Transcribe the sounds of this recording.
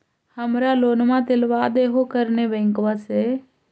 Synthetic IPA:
həmɾaloːnmãt̪elʋad̪eːɦokəɾnebə̃ŋkʋase

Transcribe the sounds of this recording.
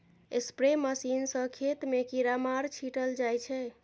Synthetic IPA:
espɾeməsinsə̃kʰet̪mekiɾamaɾt͡ʃʰiʈəld͡ʒajt͡ʃʰɛ

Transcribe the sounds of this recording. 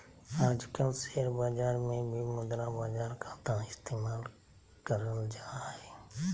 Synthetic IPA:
aːd͡ʒkəlseːɾbaːd͡ʒaːɾmẽːbʱiməd̪ɾãːbaːd͡ʒaːɾkʰãːt̪ãɪst̪eːmaːl | kəɾəld͡ʒaːɦeː

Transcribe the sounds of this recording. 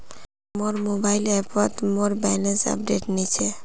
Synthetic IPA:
moɾmobaɪlɛpʰət̪moɾbɛnesə̰p̚ɖeʈnit͡ʃʰe

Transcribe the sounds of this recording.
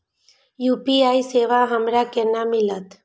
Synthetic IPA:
juːpiaːiseːʋaɦəmɾakɛnamɪlət̪

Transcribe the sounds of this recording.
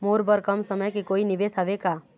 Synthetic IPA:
moːɾbəɾkɐmsɐməjkikoːinɪʋeːsaʋekaː

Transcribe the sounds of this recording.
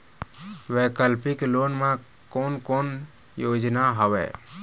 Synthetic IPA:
wɛkəlpiklonmã | konkoːn | jod͡ʒnaɦɔwɛ̰

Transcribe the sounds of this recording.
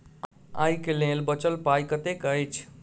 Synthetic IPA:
a̰jkelẽlbət͡ʃəlpajkət̪ekəjt͡ʃʰ

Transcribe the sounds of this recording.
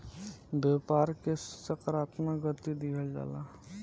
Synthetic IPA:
bepaːɾkesəkəɾaːt̪maɡət̪id̪ikʰəld͡ʒa̰ːla

